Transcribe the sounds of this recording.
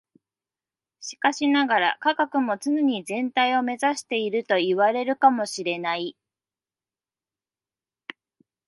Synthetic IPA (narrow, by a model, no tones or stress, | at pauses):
ɕi̥kaɕinaɡaɾa̰kaɡakɯ̟mo̞t͡sɨneɲ̟izẽ̞nt̪aio̞me̞zaɕi̥t̪e̞iɾɯ̟t̪o̞iβaɾe̞ɾɯ̟kamo̞ɕiɾe̞nai